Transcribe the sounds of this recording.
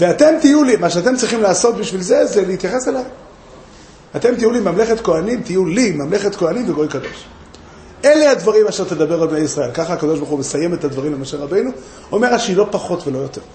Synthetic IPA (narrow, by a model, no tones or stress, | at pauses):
veat̪e̞mt̪ijulimaʃeat̪e̞mt͡sʁiχimlaːso̞t̪biʃvilze̞zelehit̪jaχe̞selaj | at̪e̞mt̪ijulimamle̞χet̪ko̞animt̪ijulimamle̞χet̪koanimveɡo̞jkad̪o̞ʃ | ʔe̞le̞had̪vaʁimaʃe̞ʁt̪ed̪abe̞ʁalbne̞jisʁae̞lkaχaːkad̪o̞ʃbaʁχumesaje̞met̪ad̪vaʁimlemaʃelʁabe̞jnu | ome̞ʁaʃilo̞paχo̞t̪velo̞jo̞t̪e̞ʁ